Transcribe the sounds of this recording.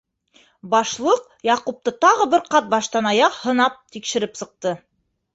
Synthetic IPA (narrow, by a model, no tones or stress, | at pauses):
bɑʃlˠɤq | jɑqup̚t̪ɤt̪ɑʁɤbɘɾqɑt̪̚bɑʃt̪ɑnɑjɑqhɤ̆nɑp̚t̪ikʃɘ̆ɾɘpsɤ̆q̚t̪ɤ